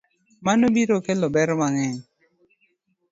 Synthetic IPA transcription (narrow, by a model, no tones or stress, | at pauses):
manobiɾokelɔbɛɾɔmaŋɛɲ